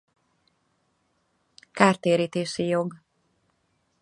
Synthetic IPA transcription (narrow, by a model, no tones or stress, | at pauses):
kaːrt̪eːɾiːt̪eːʃijoɡ